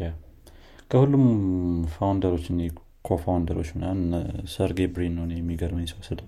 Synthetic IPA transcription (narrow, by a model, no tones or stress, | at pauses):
ja | kʰəhulːumfawnd̪əɾo̞t͡ʃːɨne | kʰofawnd̪əɾo̞t͡ʃːmnːansəɾɡebɾinːəwnejɛmːiɡəɾməjɛsəwɔsːəd̪ə